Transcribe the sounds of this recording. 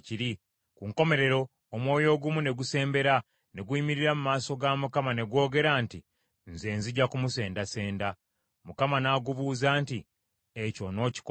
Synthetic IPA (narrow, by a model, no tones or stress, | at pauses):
ciɾi | kuŋko̞me̞ɾe̞ɾo̞ː | mwo̞ːjo̞ːɡumune̞ɡuse̞ːmbe̞ɾa | ne̞ɡwuimiɾiɾamumaːso̞ɡamukamane̞ɡwo̞ːɡe̞ɾaːnti | nze̞ːnziɟakumuse̞ːndase̞ːnda | mukamanaːɡuβuːzaːnti | eco̞no̞ːci̥k